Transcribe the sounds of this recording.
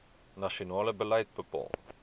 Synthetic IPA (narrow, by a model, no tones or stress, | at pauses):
nɐʃionɑːləbəlɛjt̚bəpɑ̰ːlˠ